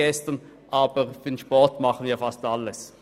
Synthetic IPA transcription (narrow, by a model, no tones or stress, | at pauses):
ɛstən | ʔaːbəʁfənʃpɔʁtmɑχən̩viːɐfastalːəs